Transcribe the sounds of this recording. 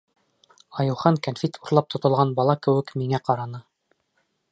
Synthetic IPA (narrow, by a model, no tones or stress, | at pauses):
ɑjŭwχɑŋkanfʲit̪ʰuɾlˠɑp̚t̪ŏt̪ŏlˠʁɑnbɑlˠɑkɘ̆wɘ̆kmiŋæqɑɾɑnɤ